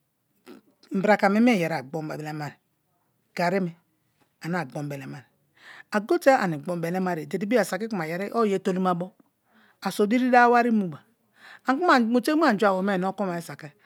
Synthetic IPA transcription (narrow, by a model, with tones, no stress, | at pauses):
m̩˨bɾa˨ka˨me˦m˦e˦˨je˨ɾa˨ɡ͡bo˦m˦ba˨ble˦ma˨ɾi˨ | ɡ̥a˨ɾi˦mi˨ | a˨n˦a˨ɡ͡bo˨m˨be˨le˨ma˨ɾi˨ | a˨ɡo˦te˦a̰˨ni˨ɡ͡bo˦m˦be˨le˦ma˦ɾi˨de˨di˦bi˦a˨sa˨ki˦ku˨ma˨je˨ɾi˦ʔo˦je˦to˦li˦ma˦bo˦ | a˨so˨di˦ɾi˦da˦wa˦ɾi˦mu˨ba˨ | a˨ŋ˦u˦a˦˨mo˨te˦u˦a˨d͡ʒu˦a˨wo˨˦me˦˨n˦o˦ko˦ma˨i˦sa˨ke˦